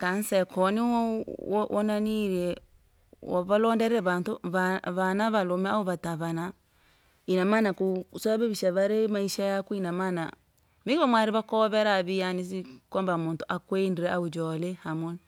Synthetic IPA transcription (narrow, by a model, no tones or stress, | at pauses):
kansɛkʰɔniwɔʔɔnaniɾɛ | waβalɔndɛɾɛɾɛβantoβaβanaβalomɛaoβataβana | inamanakusɔβaβeβiʃaβaɾemaiʃajakuinamana̰ | miɡɔmwaɾiβakɔβɛɾaβijanisikɔmbamontoʔakwendiɾɛʔaud͡ʒɔlɛhamoni